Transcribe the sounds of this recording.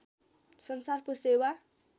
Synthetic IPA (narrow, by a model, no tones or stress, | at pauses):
sʌnsarkosewa